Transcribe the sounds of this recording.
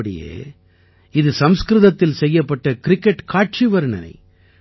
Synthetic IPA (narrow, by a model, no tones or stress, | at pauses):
ɐɽɪ̰jḛː | ɪðɯsɐmskɾɯðɐt̪ːɪlsɛjːɐpːɐʈːɐkɾɪkːɛʈkaːʈ̚t͡ʃiʋɐɾɯɳɐ̰nɐ̰ɪ